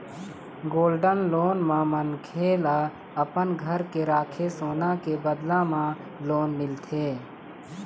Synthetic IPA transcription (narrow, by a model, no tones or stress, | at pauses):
ɡoːlɖənloːnmãmənkʰeːla | əpənɡʱəɾkeɾaːkʰesoːnakebəd̪lãmã | loːnmɪlt̪ʰeː